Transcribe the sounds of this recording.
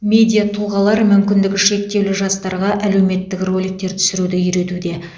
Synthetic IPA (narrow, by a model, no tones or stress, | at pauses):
mʲe̞d̪ʲijat̪ʰuʁɑlˠɑɾmʏmkʲɪnd̪ɪkʲɪʃe̞k̚t̪e̞wlɪʒɑst̪ɑɾʁɑʔæle̞wme̞t̪ːɪkro̞lijk̚t̪e̞ɾt̪ʰʏ̥sɪɾud̪ɪʏɾe̞t̪ud̪e̞